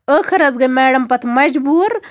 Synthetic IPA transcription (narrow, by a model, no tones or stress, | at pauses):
əxʰɐɾɐzɡɐmeːɽɐmpɐt̪ʰmɐd͡ʒbuːɾ